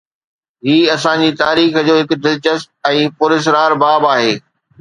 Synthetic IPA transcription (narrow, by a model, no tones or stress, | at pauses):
ɦiːɐsãɲd͡ʑit̪aːɾiːxd͡ʑoːɦɪkʊd̪ɪlt͡ɕəst̪̚ɛ̃ːpʊɾɪs̬ɪɾaːɾbaːbaːɦeː